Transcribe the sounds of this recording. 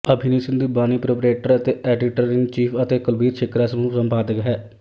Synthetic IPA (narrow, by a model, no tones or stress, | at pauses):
əbʱɪniːsɪ̃nd̪iːbaːniːpɾoːpɾeːʈəɾət̪eːʔɛːɖɪʈəɾɪŋɡt͡ʃiːpʰət̪eːkəlbiːɾt͡ʃʰɪkɾaːsənũːsəmpaːd̪əkɦɛː